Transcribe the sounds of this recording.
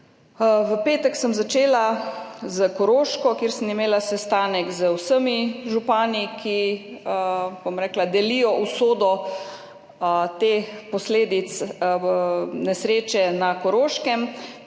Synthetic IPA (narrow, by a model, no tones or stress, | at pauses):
ʋəpeːt̪ɛksəmzat͡ʃeːlazəkɔɾoːʃkɔkeːɾsəmimeːlasɛst̪aːnɛkzəwsəmiʒupaːnikʰi | b̥omɾɛːklad̪ɛlijɔʔusoːd̪ɔ | t̪eːpɔsleːd̪it̪s | nɛsɾeːt͡ʃɛnakɔɾoːʃkɛm